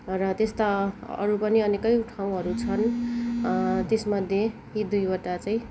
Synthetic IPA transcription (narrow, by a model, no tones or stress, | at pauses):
rʌt̪est̪aʌ̰ɾupʌniʌnekʌjʈʰaw̃ɦʌɾut͡sʰʌn | t̪esmʌd̪ʱje | jid̪ujʌʈat͡saĩ